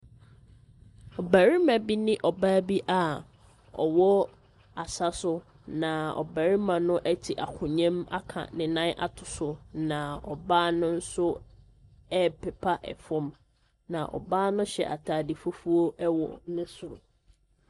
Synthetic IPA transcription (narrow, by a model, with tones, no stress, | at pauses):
ɔ˨bæ˨ɾi˦mã˨bi˦nɪ̃˦ʔɔ˨baː˦bi˦ʔa˨ | ɔ̰˨wɔ˦ | a˨sa˦sʊ˦ | nã˨ɔ̰˨bæ˨ɾi˦mã˨nʊ̃˦ʔɛ˦tʰi˨ʔa̰˨kʰʊ̃˨ɲɛ̃˦ma̰˦kʰã̰˨nɪ̃˨nã˦nʔa̰˨tʰʊ˨sʊ˨nã˨ɔ˨baː˦nʊ̃˦n̩˦sʊ˦ | ɛ˦pʰɛ˨pʰa˦ʔɛ̰˨fɔ̃˦m | nã˨ʔɔ̰˨baː˦nʊ̃˦ɕɛ̰˨ʔa̰˨tʰaː˨dɪ˨fʊ˦fu˦o˦ɛ˦wɔ̰˨nɪ̃˦sʊ˨ɾʊ̰˨